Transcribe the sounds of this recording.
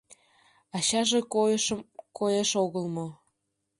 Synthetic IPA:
ɑɕɑʒekojəʃəmkojeʃoɣəlˠmo

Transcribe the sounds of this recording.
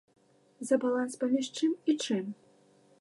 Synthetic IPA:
zɐbalˠanspɐmʲiʂt͡ʂɨmit͡ʂɨm

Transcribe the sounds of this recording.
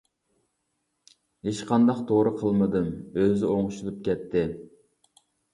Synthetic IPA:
heʃqʰɑnd̪ɑqt̪ʰoɾəqʰəlˠmɨd̪ɨmøzɪoŋʃulˠɨp̚kʲɛt̪ʰːɪ

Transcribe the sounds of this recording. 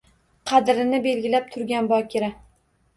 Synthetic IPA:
qʰɑd̪ɾɪnɪbe̞lɡʲɪlap̚t̪ʰʊɾɡʲanbɒkʲʰɪɾa

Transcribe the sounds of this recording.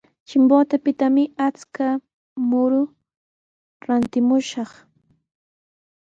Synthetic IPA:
t͡ʃɪmboːt̪apɪt̪amɪat͡ska | mʊɾʊ | ɾant̪ɪmʊʃɑχ

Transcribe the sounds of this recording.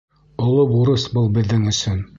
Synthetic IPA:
ŏlˠobuɾɤsbɤlˠbɘ̆ðːɘŋɵ̆sɵn

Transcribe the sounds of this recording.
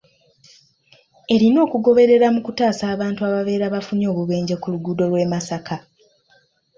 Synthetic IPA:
e̞ɾino̞ːkuɡo̞βe̞ɾe̞ɾamukutaːsaːβaːntuaβave̞ːɾaβafuno̞ːβuβe̞ːɲɟekuluɡuːdo̞lwe̞ːmasaka

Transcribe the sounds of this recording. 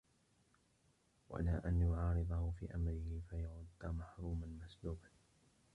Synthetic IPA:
wa̰ʔa̰laːʔanjʊʕɑːɾɨd̪ˤɑhʊfiːʔamɾɪhɪfajaʕʊd̪ːmaħɾˤuːmanmasd̪uːban

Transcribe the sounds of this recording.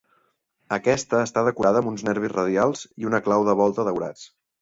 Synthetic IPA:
əkɛst̪əːst̪aðəkuɾaðəːmunznɛɾβizrəðjalˠziunəklawðəβ̞ɔlˠt̪əðəwɾa̰t͡s

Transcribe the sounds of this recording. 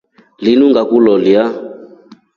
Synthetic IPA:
linuŋɡakulɔlja

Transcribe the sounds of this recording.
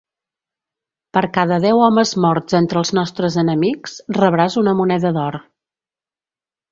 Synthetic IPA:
pəɾkaðəðɛwɔməzmɔɾz̥ent̪ɾəlˠznɔst̪ɾəzənəmiksrəβɾazunəmunɛðəðɔɾ

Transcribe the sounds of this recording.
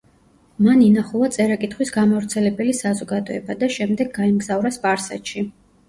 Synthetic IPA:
maninaχulˠat̪sʼɛɾakʼit̪ʰχwisɡamavɾt̪sʰɛlɛbɛlisazɔɡad̪ɔɛbad̪aʃɛmd̪ɛɡːaimɡzavɾasbʼaɾsa̰t̪ʃi

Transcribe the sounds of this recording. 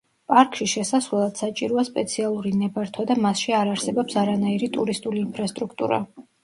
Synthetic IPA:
pʼaɾkʰʼʃiʃɛsasvɛlˠad̪̥sat͡ʃʼiɾɔaspʼɛt̪sʰialˠuɾinɛbaɾt̪ʰwad̪amasʃiaɾaɾsɛbɔpsaɾanaiɾit̪ʼuɾist̪ʼuliːnpʰɾast̪ʼɾukʰt̪ʼṵɾa̰

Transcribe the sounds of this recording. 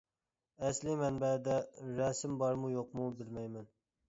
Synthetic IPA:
æslɪmɛnbɛd̪ɛɾɛsɪmbɑɾmujoqmubɪlmɛjmɛn

